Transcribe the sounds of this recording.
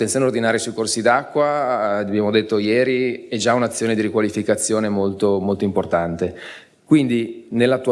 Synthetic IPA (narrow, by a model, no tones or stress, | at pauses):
t̪ent̪joːneord̪inaːɾjesuikorsid̪akːwaabjaːmod̪et̪ːojɛːɾiɛd͡ʒaunat̪sːjoːned̪iɾikwalifikat̪sːjoːnemolt̪omolt̪oimport̪ant̪e | kwind̪inelːat̪ːu